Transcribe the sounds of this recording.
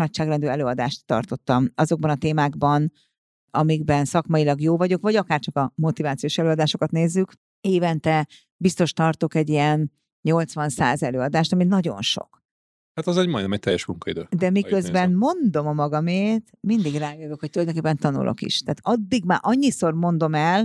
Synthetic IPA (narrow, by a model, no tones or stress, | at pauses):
nɒcʃaːɡrɛnd̪øːɛløːɒd̪aːʃt̪ːɒ̰rt̪o̞t̪ːɒmɒzo̞ɡ̚bɒnɒt̪eːmaːɡbɒn | ɒmiɡbɛnsɒkmɒjilɒɡjoːvɒɟo̞kvɒɟɒkaːrt͡ʃɒkɒmo̞t̪ivaːt̪sijoːʃɛløːɒd̪aːʃo̞kɒt̪neːzːyk | eːvɛnt̪ɛ | bist̪o̞ʃt̪ɒrt̪o̞kɛɟːijɛn | ɲo̞lt̪sʋɒnsa̰ːzɛløːɒd̪aːʃt̪ɒminɒɟo̞̰nʃo̰k | hat̪ɒzɛɟmɒjd̪ɛmɛc̚t̪ɛjːɛʃmuŋkɒḭd̪ø̰ːd̪ɛmikøzbɛnmo̞nd̪o̞mɒmɒɡɒmeːt̪mind̪iɡraːjøvøkhoc̚t̪ulɒjd̪oŋkepːɛnt̪ɒnṵlʔo̰kḭʃt̪ɛːt̪ɒd̪ːiɡmaːʔɒɲːiso̞rmo̞nd̪o̞mɛl